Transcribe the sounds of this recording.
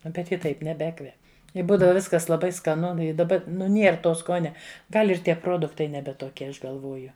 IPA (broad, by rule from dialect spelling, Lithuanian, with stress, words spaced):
ˈnʊ bʲɛt ˈjɪ ˈtɐɪp nʲɛˈbʲæːkʋʲɛp ɪ ˈbuːdɐʋɐ ˈʋʲɪskɐs lˠɐˈbɐɪ skɐˈnʊ ɪ dɐˈbɐ nʊ ˈnʲiɛr ˈtoː ˈskoːnʲɛ ˈɡɐlʲ ɪr ˈtʲiɛ ˈproːdʊktɐɪ ˈnʲæːbʲɛ toːˈkʲiɛ ˈɐʃ ɡɐlˠˈʋoːjʊ